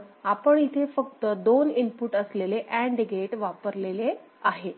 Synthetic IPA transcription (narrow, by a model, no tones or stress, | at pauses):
apəɳit̪ʰefəkt̪əd̪onimpuʈəsleleʔæ̃ɳɖiɡeʈʋapəɾlele | aɦe